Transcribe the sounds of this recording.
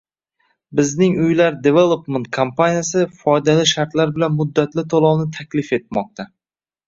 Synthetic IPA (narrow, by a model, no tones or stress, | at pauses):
bɪznɪŋʊjlaɾd̪evelˠopmant̪̚kʰompʰanʲijasɪfɒjd̪alɪʃaɾt̪laɾbɪlanmʊd̪ːat̪lɪt̪ʰolˠɒwnɪt̪ʰakʲlɪfe̞t̪̚mɒq̚t̪ʰa